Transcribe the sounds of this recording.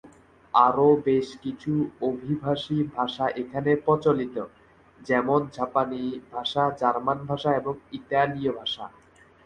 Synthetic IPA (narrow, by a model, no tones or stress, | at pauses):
aɾobeʃkit͡ɕʰuobʱibʱaʃibʱaʃaʔekʰanepɔt͡ɕolit̪o | d͡ʑɛmond͡ʑapanibʱaʃad͡ʑaɾmanbʱaʃaeboŋit̪aliobʱaʃa̰